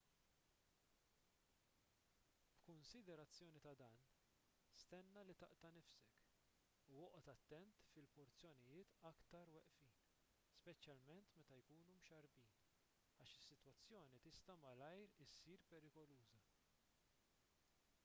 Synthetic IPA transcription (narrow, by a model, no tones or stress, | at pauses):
b̥kʊnsɪd̪ɛɾɐt͡sːjɔːnit̪ɐd̪ɐːn | st̪ɛnːɐlit̪ɐʔt̪ɐnɪfsɛk | uwɔʔɔt̪ɐt̪ːɛnt̪fɪlpɔɾt͡sjɔnɪjɪːt̪ɐkt̪ɐɾwɛʔfiːn | spɛt͡ʃjɐlmɛnt̪mɛt̪ɐjkuːnumʃɐɾbiːn | ɐːʃɪsːɪt̪wɐt͡sːjɔːnit̪ɪst̪ɐmɐlɐjɾɪsiːɾpɛɾɪkɔluːzɐ